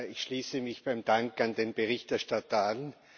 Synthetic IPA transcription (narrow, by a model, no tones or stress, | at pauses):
ɪçʃliːsəmɪçb̥aɪmd̥aŋkandeːnbeʁɪçtɛɐʃtatɐan